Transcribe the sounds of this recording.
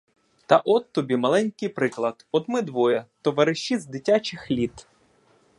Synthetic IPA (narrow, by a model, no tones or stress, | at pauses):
t̪ɐʔɔt̪ːɔbʲimɐlˠɛnʲkɪjpɾɪklˠɐd̪ɔd̪mɪd̪ʋɔjɐt̪ɔʋɐɾɪʃt͡ʃːizd̪ɪtʲat͡ʃɪxlʲit̪